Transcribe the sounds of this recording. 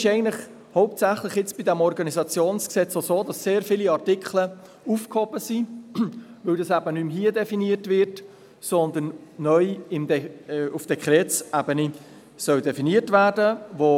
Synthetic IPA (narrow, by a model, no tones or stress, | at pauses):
ɪʃɛɪɡəntləχ | hɔʊp̚tsæχlɪχjɪt͡sb̥idæmɔɾɡɑnizɑt͡sjoːnsksɛt͡sosoːdɑsːeːɾfiːliɑrtɪkχlə | ufkhɔb̥əsi | vɪwdɑsæbənymɦiədɛfiniətvɪrt | sɔnd̪ənːœʏɪmdɛufd̥ɛkχɾɛːtsʔɛbəni | sœwdɛfiniətvæːɾdəvo